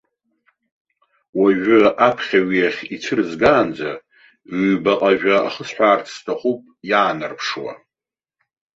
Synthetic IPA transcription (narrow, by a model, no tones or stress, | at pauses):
waʒᶣʊapʰχʲaɥijaχʲit͡sʰɨrzɡaːnd͡zaː | baqʼaʒᶣaa̰χəsħʷᶣaːrt͡sʰstʰaχupʼjaːnarpʰʂwa̰